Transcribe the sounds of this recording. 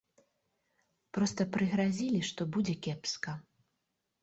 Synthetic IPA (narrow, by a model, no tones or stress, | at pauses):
pɾɔst̪ɐpɾɨɣɾazʲilʲiʂt̪ɔbud͡zʲɛkʲɛpskɐ